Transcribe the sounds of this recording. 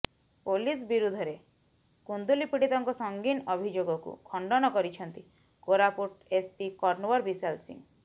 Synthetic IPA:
polisbiɾud̪ʱɔɾe | kund̪ulipiɽit̪ɔŋkɔsɔŋɡinɔbʱid͡ʒoɡɔkṵkʰɔɳɖɔnɔkɔɾit͡ʃʰɔnt̪i | koɾapuʈespikɔɾnowɔɾbisalsḭŋ

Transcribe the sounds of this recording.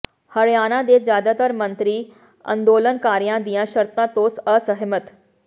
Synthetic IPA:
hɐɾjaːnãd̪eːd͡zjaːd̪at̪əɾmənt̪ɾiː | ɐ̰̃nd̪oːlənkaːɾjãd̪ijãɕəɾt̪ãt̪oːsəsəɦmət̪

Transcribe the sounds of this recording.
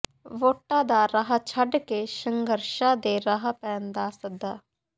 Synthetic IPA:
ʋoːʈːaːd̪aːɾaɦat͡ʃʰəɖkeʃəŋɡəɾʃaːd̪eːɾaɦapɛːnd̪aːsək̚d̪aː

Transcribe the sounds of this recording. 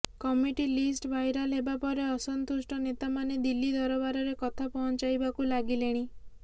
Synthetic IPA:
kɔmiʈilisʈbajɾalɦebapɔɾeɔsɔnt̪usʈɔnet̪amaned̪ilːid̪ɔɾɔbaɾɔɾekɔt̪ʰapɔɦɔnt͡ʃajbakulaɡileɽ̃i

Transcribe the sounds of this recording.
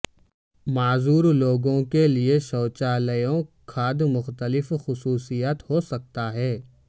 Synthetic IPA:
maːzuːɾloːɡõkelieʃɔːt͡ʃaːləjõkʰaːd̪mʊxt̪əlɪfxʊsuːsijaːt̪hosɐk̚t̪aɦɛː

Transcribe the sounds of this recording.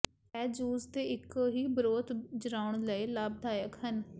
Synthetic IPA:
ɛːd͡ʒuːzt̪eːɪkːɦiːbəɾoːt̪d͡ʒəɾaːʊɳləeːlaːb̚d̪ʱaːjəkɦən

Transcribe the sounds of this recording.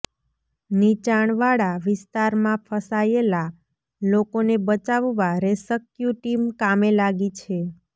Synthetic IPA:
nit͡ʃaɳʋaɽaʋɪst̪aɾmãfʰəsajela | lokonebət͡ʃaʋʋaɾesəkjuʈimkamelaɡit͡ʃʰe

